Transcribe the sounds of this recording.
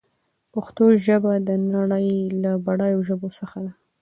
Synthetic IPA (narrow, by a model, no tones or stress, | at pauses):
paxt̪oʒəbad̪ənaɽəjlabaɽɑjoʒəbosəxad̪a